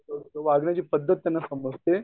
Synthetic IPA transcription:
ooʋaːɡnɐd͡ʒiːpɐd̪ʱːɐt̪jɐnːɐsɐmɐst̪je

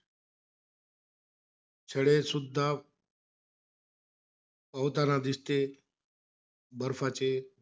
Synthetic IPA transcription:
t͡ɕʰəɽesud̪ʱːa | pawt̪anad̪ist̪e | bəɾfat͡ɕe

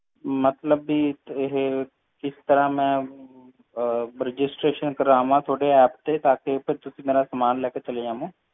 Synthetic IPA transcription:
mət̪ləbːiːɪɦe | kɪst̪əɾãːmɛ̃ː | ɾɪd͡ʒɪsʈɾeːʃənkəɾãːʋãːt̪ʰoːɽeːɛːp̚t̪eːt̪aːkepʰɪɾt̪ʊsĩːmeːɾãːsəmaːnlɛːkeːt͡ʃəleːãːmũː

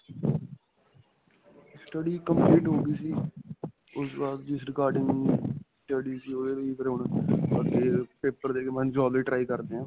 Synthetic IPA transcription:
sʈəɖiːkəmpliːʈɦõːɡ̪iːsiː | ʊsʋaɾt̪̚d͡ʒɪsɾɪkaːɾɖɪ̃ŋɡsʈəɖiːsiːoːeːɾiːpəɾɦʊɳəɡeːpeːpəɾd̪eːkemɛ̃nd͡ʒɔːliːʈɾaːiːkəɾd̪eːɦãː

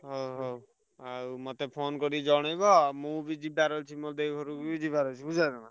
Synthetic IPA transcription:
ɦɔwɦɔw | awmɔt̪epʰonkɔɾid͡ʒɔɽ̃ɔjbɔmubid͡ʒib̚aɾɔlt͡ʃʰimod̪eɔɾukubid͡ʒibaɾɔt͡ʃʰibud͡ʒad̪ɔma

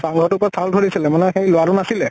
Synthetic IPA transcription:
saŋɡʱɔtʊpɔɹasaldʱoɹisilɛmanɛxejlʊwaɾʊnasilɛ

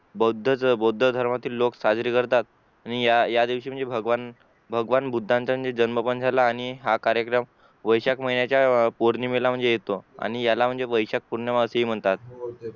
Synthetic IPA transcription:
bod̪ʱːət͡sbod̪ʱːəd̪ʱəɾmat̪iːlːoksad͡zɾiːkəɾt̪at̪̚ | añijajad̪iʋɕiːm̤əɳd͡zebʱəɡʋan | bʱəɡʋanbud̪ʱːãɲt͡ɕam̤əɳd͡zed͡ʑənməpənd͡zʱalaːɽ̃iɦakaɾjəkɾəm | ʋəjɕakməinjat͡ɕjapoɾniːmilam̤əɳd͡zejet̪oa̰ɽ̃ijalam̤əɳd͡zeʋəjɕak̚puɾɳjaʋaəseɦiːm̤əɳt̪at̪̚

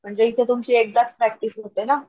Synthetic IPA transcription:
m̤əɳd͡zeit̪ʰet̪umt͡ɕiek̚d̪at͡spɾɛk̚ʈifɦot̪ena

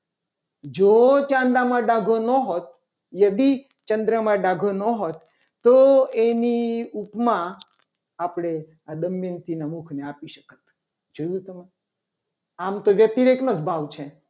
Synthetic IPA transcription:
d͡ʒot͡ʃãnd̪amãɖaɡʱonəɦot̪̚ | jəd̪i | t͡ʃənd̪ɾəmãɖaɡʱonəɦot̪ | t̪ːoeniupmã | apɽ̃e | ad̪əmːent̪ʰinamukʰneapiʃəkət̪ | d͡ʒojũt̪əme | amt̪oʋjət̪iɾeknod͡ʒbʱaʋt͡ʃʰẽ

